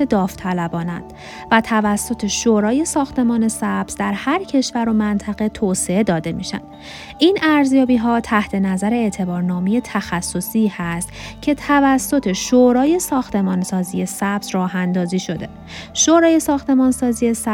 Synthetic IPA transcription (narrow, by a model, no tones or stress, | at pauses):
ed̪ɒːft̪ʰælæbɒːnæ̰nd̪̥ | væt̪ʰævæsːot̪ʰe̞ʃoɾɒːje̞sɒːxt̪ʰe̞mɒːne̞sæb̥z̥d̪æɾhæɾcʰe̞ʃvæɾo̞mænt̪ʰæɣe̞t̪ʰoːse̞e̞d̪ɒːd̪e̞mḭːʃæ̰nd̪ | ʔinæɾzjɒːbiːɦɒːt̪ʰæht̪ʰe̞næzæɾeet̪ʰe̞bɒːɾnɒːmeje̞t̪ʰæxæsːo̞sihæst̪cʰe̞t̪ʰævæsːo̞t̪ʰe̞ʃoɾɒːje̞sɒːxt̪ʰe̞mɒːnsɒːzije̞sæbzrɒːɦænd̪ɒːziːʃo̞d̪e̞ | ʃoːɾɒːje̞sɒːxt̪e̞mɒːnsɒːzije̞sæ